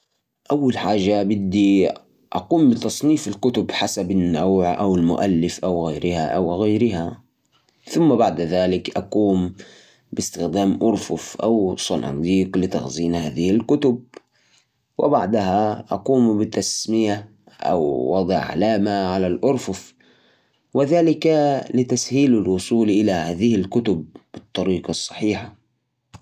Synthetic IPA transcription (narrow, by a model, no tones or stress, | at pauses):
ʔawːalħaːʒːabɪd̪ːi | ʔɑquːmbɪt̪ɑsˤniːfɪlkʊt̪ʊbħasabɪnːawʕʔawɪlmʊ̰ʔalːɪfʔawɣajɾɪhaʔawɣajɾɪɦa | θʊmːabaʕd̪ðaːlɪkʔaquːm | bɪst̪ɪxd̪aːmʔʊɾfʊfʔa̰wsˤɑnɑ̰d̪iːqlɪt̪ɑ̰xziːnhaːðɪhɪlkʊt̪ʊb̚ | wʔɪ̰baʕd̪aɦaʔɑ̰quːmbɪt̪asmɪja | ʔa̰wːɑd̪ˤʕʕa̰laːmaʕalalʔʊɾfʊf | wɪðaːlɪkalɪt̪ashiːlɪlwʊsˤuːlʔɪlahaːðɪhɪlkʊt̪ʊb̚b̥ɨt̪ˤːɑɾiːqɑsˤːɑ̥ħiːħa